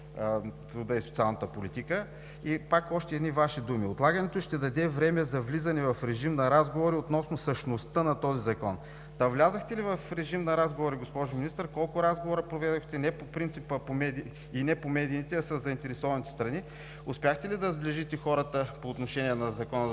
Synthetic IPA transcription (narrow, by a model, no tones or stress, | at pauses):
t̪ɾud̪əisot̪sialˠnɐt̪əpolit̪ikə | ipakɔʃt̪ɛːd̪nivaʃid̪umiot̪lˠaɡənɛt̪oʃt̪ɛd̪ɐd̪ɛvɾɛmɛzɐvlizɐnɛvɐfɾɛʒimnɐɾazɡovoɾiot̪nɔsnosəʃnost̪ənɐt̪ɔzizɐkɔn | t̪ɐvlʲazəxt̪ɛlivɐfɾɛʒimnɐɾazɡovoɾiɡospɔʒʊminist̪əɾkɔlˠkʊɾazɡovoɾɐpɾovɛd̪oxt̪ɛnɛpopɾint̪sipəpomɛd̪iː | nɛpomɛd̪iːt̪ɛɐsɐzːɐint̪ɛɾɛsɔvɐnit̪ɛ̥st̪ɾɐni | ʊspʲjaxt̪ɛlid̪ɐzbliʒit̪ɛxɔɾət̪əpoːt̪noʃɛniɛnɐzɐkɔnə